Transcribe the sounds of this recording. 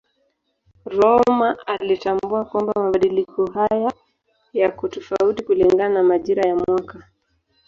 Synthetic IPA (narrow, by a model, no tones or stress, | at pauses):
ɾɔmaalitambuakwambamaɓaɗilikɔɦaja | jakutɔfautikuliŋɡananamaʄiɾajamwaka